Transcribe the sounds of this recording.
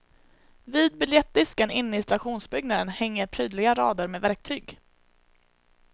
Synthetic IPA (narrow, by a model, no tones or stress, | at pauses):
viːd̪̚bɪljɛt̪̚d̪ɪskənɪnːəɪst̪ɾaɧuːnsbʏɡnad̪ənhɛŋːəɾpʰɾyːd̪lɪɡaɾɑːd̪əɾmeːvæɾk̚t̪ʰyːɡ